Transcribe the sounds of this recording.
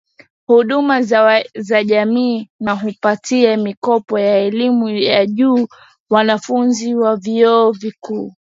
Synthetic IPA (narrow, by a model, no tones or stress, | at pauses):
huɗumazaʄamiːnaɦupatiamikɔpɔjaɛlimujaʄuː | wanafunziwaviɔːvikuː